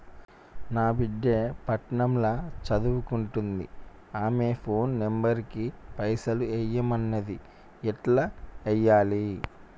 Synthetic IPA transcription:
naːbiɖjepɐʈɳɐmlɐt͡ʃɐd̪uʋukuɳʈund̪ḭ | aːme̞ːpʰo̞ːnːembɐɾikipɐjsɐluɛjːɐmɐnːɐd̪i | ɛʈlɐɛjːaːli

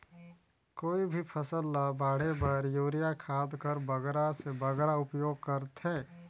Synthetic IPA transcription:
koːibʱipʰəsəlːabaːɽ̤ebəɾjuːɾijakʰaːd̪kəɾbɐɡɾasebɐɡɾaʊpjoːɡ̚kɐɾt̪ɦɛ̃ː

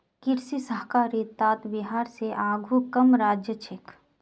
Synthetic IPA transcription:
kɪɾsisəɦkaːɾit̪aːt̪bɪɦaːɾseʔaːɡʱukɐmɾaːd͡ʒjət͡ʃʰɪk

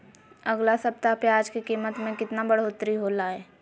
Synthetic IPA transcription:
ɐɡlasɐp̚t̪apjaːd͡ʒkikiːmət̪mẽkɪt̪nabəɽ̤oːt̪ɾiɦolaːɛː

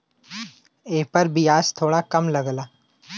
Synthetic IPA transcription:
eːpɐɾbijaːst̪ʰoːɽakɐmlɐɡlaː

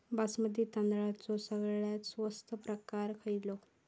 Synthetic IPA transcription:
basməd̪ʱːjet̪ənd̪ɭat͡sɔsəɡɭjasʋəst̪ʰəpɾəkaɾkʰəjlo

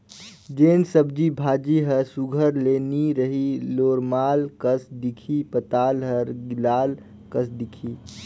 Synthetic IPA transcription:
d͡ʒeːnsəb̚d͡ʒibʱaːd͡ʒiɦəɾsʊɡʱəɾleːniɾəɦiloːɾmaːlkəsd̪ɪkʰipət̪aːlɦəɾɡɪlaːl | kəsd̪ɪkʰiː

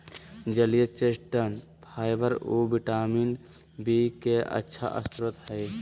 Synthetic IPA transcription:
d͡ʒəlijət͡ʃesʈʈən | pʰaːjbəɾobiʈaːmin | bikeʔə̰tːʃʰa̰ʔə̰st̪ɾət̪həj

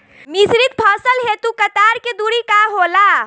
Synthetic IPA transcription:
misɾit̪̚pʰɔːsəlɦet̪ukət̪aːɾked̪uɾikaɦoːla

